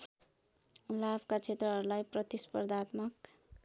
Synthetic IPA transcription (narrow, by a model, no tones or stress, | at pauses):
labkat͡sʰet̪rʌɦʌɾulajprʌt̪ispʌrd̪ʱat̪mʌk